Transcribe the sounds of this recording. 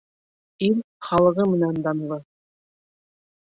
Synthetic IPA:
ilχɑlˠɤ̆ʁɤmɘ̆nænd̪ɑn̆lˠɤ

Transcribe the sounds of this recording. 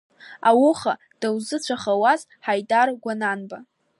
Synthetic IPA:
awʊχa | d̥awzɨt͡ɕʷʰaχawaz | ħajdarɡʷananba

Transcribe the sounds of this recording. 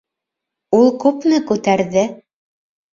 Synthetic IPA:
ulˠkʉpnɘkʉt̪æɾðɘ

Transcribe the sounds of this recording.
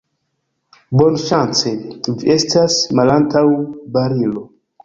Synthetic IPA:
bonʃant͡seviestʰasmalantawbaɾilo

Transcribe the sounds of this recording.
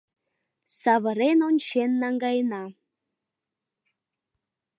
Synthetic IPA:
sɑβə̆ɾenonʲt͡ɕenːɑŋɡɑjənɑ

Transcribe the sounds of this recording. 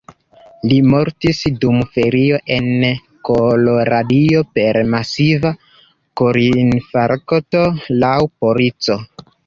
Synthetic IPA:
limo̞ɾtisdumfe̞ɾio̞ʔe̞n | koloɾadio̞pe̞ɾmasiva | koɾinfaɾkoto̞lawpo̞ɾit͡so̞

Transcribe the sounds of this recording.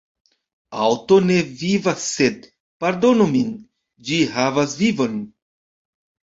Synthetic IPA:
awto̞ne̞vivasːe̞d̚ | paɾdo̞nomin | d͡ʒiɦavasvivo̞n

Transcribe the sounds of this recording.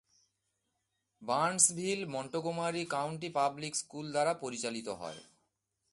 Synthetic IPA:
bansbʱilmɔɳʈokomaɾikawɳʈ̬ipablikskuld̪aɾapoɾit͡ɕalit̪oɦɔ̰ḛ

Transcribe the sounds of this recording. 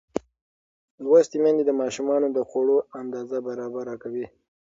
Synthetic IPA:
lwast̪imand̪ed̪əmɑʃumɑnod̪əxoɽoand̪ɑzabaɾɑbaɾɑkawi

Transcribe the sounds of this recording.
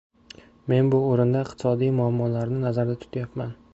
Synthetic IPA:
me̞nbʊoɾɪnd̪aɪq̚t̪ʰɪ̥sɒd̪ijmʊamːɒlaɾnɪnazaɾd̪at̪ʰʊ̥t̪ʰajapman

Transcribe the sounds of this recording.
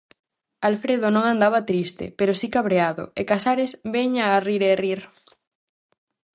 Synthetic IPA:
alfɾeðonõŋand̪aβat̪ɾist̪ɪ̰peɾosikaβɾeaðʊ̰ekasaɾesβeɲariɾeriɾ

